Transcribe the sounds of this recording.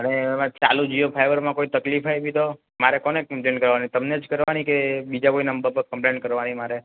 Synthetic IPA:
ənemãt͡ʃalud͡ʒijopʰajʋəɾmãkoit̪əklifajbid̪o | maɾekɔnekəmplẽɳʈkəɾʋanit̪əmned͡ʒkəɾʋanikebid͡ʒakoinəmbəbkəmpleɳʈkəɾʋanimaɾe

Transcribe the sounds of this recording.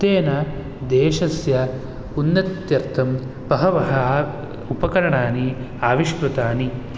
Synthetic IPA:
t̪eːnɐ | d̪eːʃɐsjɐ | unːɐt̪jɐɾt̪ʰɐm | pɐɦɐʋɐɦɐ | upɐkɐɾɐɳaːni | aːʋiʃkɾut̪aːni

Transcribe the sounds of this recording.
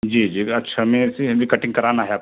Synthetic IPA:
d͡ʒiːd͡ʒiːɐtːʃʰamɛ̃sĩd͡ʒikəʈɪ̃ŋɡ̚kəɾanaɦeaːp

